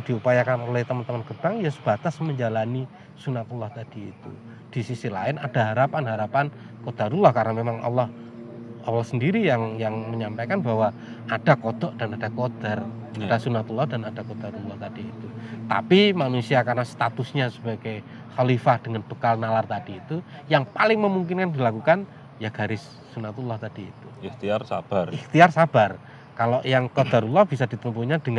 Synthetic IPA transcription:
d̥iupajakanolɛht̪əmənt̪əmənɡəb̥aŋjasəb̥at̪asməɲd͡ʒalani | sunat̪ulɔht̪ad̥iːt̪ṵ | d̥isisilaɪnad̥aɦaɾapanɦaɾapan | kod̪̥a̤ɾulahkarnamemaŋa̰lːɔh | a̰lɔhsəndiɾijaŋjaŋməɲampakanbaɦwa | ad̥akod̪̥ɔʔd̥anad̥akod̪̥ar | adasunat̪ulːɔhdanadakod̪̥aɾulɔht̪ad̥iːt̪ut̪a̰pimanusiakarnast̪at̪ʊsɲasəbaɡaj | xalifahd̥əŋanb̥əkalnalart̪adiːt̪ujaŋpalɪŋməmuŋkɪnkandilakukan | jaɡ̥a̤ɾɪsːunat̪ulːɔht̪ad̥ḭːt̪uiht̪iarsab̥ariht̪iarsab̥ar | kaloʔjaŋkod̪̥aɾulɔhb̥isad̥i̤t̪əmpuɲad̥əŋ

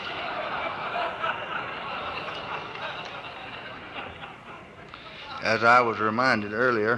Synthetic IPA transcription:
ʔɨzaɪwʌzɹɪmãɪ̃ndɨɾɜ˞lˠiə˞

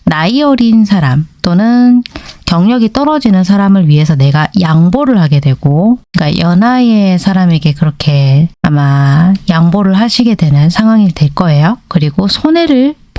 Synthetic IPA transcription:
naiʌɾinsʰaɾamt͈onɯnkjʌŋɲʌɡit͈ʌɾʌd͡ʑinɯns̬ʰaɾamɯɭɥiɦe̞sʰʌne̞ɡajaŋboɾɯɭhaɡe̞dwe̞ɡ̥ok͈ajʌnaesʰaɾame̞ɡe̞kɯɾʌkʰe̞amajaŋboɾɯɭɦaɕʰiɡe̞dwe̞nɯnsʰaŋɦwaŋidwe̞ɭk͈ʌe̞jokɯɾiɡosʰone̞ɾɯɭ | p

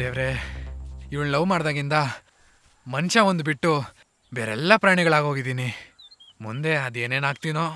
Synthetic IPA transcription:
d̪eːʋɾe | iʋɐɭnɐlɐʋmaːɽd̪aːɡind̪ɐ | mɐnʃɐʋond̪ubiʈːu | beːɾɛ̰lːɐpɾaːɳiɡɐɭaːɡɦoːɡid̪iːni | mund̪e̞ɐd̪e̞ːne̞ːnaːɡt̪iːnoː

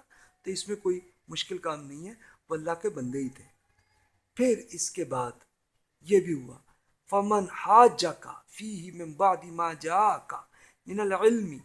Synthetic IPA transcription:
t̪oɪsmẽkoːi | mʊʃkɪlkaːmnɐɦĩɦɛʋoɐlːaɦkebɐ̃nd̪eit̪ʰeː | pʰɪɾɪskebaːd̪ | jebʱiɦʊa̰ː | fɐmɐnhaːd͡ʒɐka̰fiːɦɪmɪ̃mbaʕd̪ɪmaːd͡ʒaːʔɐkɐ | mɪnɐlʕɪlmɪ

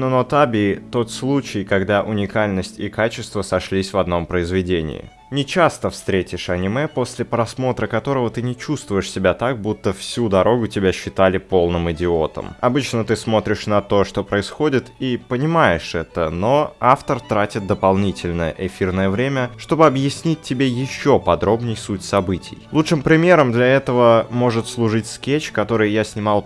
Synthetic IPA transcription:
nənot̪abʲɪt̪o̞t̪slˠut͡ɕɪjkɐɡd̪aʔʊnʲɪkalʲnəsʲtʲikat͡ɕɪst̪vəsɐʂlʲisʲvɐd̪no̞mpɾəɪzvʲɪdʲenʲɪ̰ːɪ̰ | nʲɪt͡ɕast̪əfst̪ɾʲetʲɪʂɐnʲɪmɛpo̞sʲlʲɪpɾɐsmo̞t̪ɾəkɐt̪o̞ɾəvət̪ɨnʲɪt͡ɕust̪vʊjɪʂsʲɪbʲat̪ak̚but̪ːəfsʲud̪ɐɾo̞ɡʊtʲɪbʲaɕːɪt̪alʲɪpo̞lˠnɨmɪdʲɪo̞t̪ə̰mɐbɨt͡ɕnət̪ɨsmo̞t̪ɾʲɪʂnɐt̪o̞ʂt̪opɾəɪsxo̞dʲɪt̪ipənʲɪmajɪʂɛt̪əno̞aft̪ərt̪ɾatʲɪt̪̚d̪əpɐlˠnʲitʲɪlʲnəjə̰ʔɪfʲirnəjəvɾʲemʲəʂt̪o̞bɨɐbjɪsʲnʲit̚ʲtʲːɪbʲejɪɕːopɐd̪ɾo̞bnʲɪjsutʲsɐbɨtʲɪ̰jlˠutʂɨmpɾʲɪmʲe̞ɾəmd̪lʲɐɛt̪əvəmo̞ʐɨt̪slˠʊʐɨtʲskʲet͡ɕkɐt̪o̞ɾɨjjasʲnʲɪmɑlˠ

